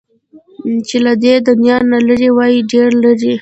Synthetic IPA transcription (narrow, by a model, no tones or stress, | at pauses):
t͡ʃelad̪ed̪ʊnjɑnːalaɾiwɑjiɖeɾlaɾi